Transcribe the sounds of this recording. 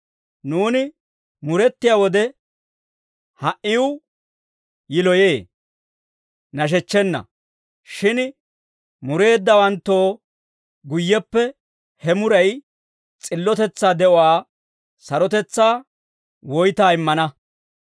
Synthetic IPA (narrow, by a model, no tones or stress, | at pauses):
nuːnɪ | mʊɾɛt̪ːɪjaːwɔd̪ɛ | hɐʔɪw | jɪlɔjeː | nɐʃ̬ɛt͡ʃːɛnːɐ̰ | ʃɪn | mʊɾe̞ːd̪ːɐwɐnt̪ːo̞ː | ɡʊjːɛpːɛ | hɛmʊɾɐj | t͡sʼɪlːɔt̪ɛt͡sːaːd̪ɛʔɔwaː | sɐɾɔt̪ɛt͡sːaː | wɔjt̪aːɪmːɐnɐ